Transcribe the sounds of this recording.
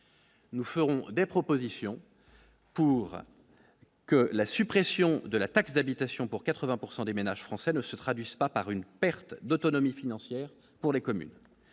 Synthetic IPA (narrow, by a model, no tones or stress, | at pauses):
nufəʁɔ̃d̪epχɔpozisjɔ̃ | puʁ | kəlasypχɛsjɔ̃d̪əlat̪aksd̪abit̪asjɔ̃puʁkat̪χəvɛ̃puʁsɑ̃d̪emenaʒ̥fχɑ̃sɛnəsət̪χad̪ɥizpapaʁynpɛʁt̪d̪ot̪ɔnɔmifinɑ̃sjɛːʁ | puʁlekɔmy̰n